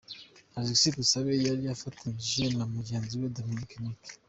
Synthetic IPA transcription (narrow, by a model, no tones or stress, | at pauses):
aziksikusaβejaɾiafatʰaʒenamuɟe̞ːnziwedominikenik